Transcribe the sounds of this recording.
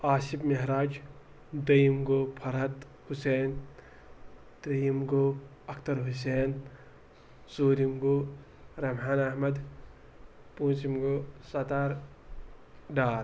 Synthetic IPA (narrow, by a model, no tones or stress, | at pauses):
aːʃibmɐɦɾaːd͡ʒ | d̪ɐjimɡoːpʰɐɾɦɐt̪ | huseːn | t̪ɾijimɡoː | ɐkʰt̪ɐɾɦus̬eːn | suːɾimɡoː | ɾɐmɦaːnɐɦmɐd̪ | pũːt͡ʃimɡoːsɐt̪aːɾ | ɖaːɾ